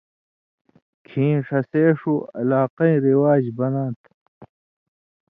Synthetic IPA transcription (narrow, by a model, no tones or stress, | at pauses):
kʰĩːʂɐseːʂuɐ̰laːqɐĩɾiwaːd͡ʑbɐnãːt̪ʰ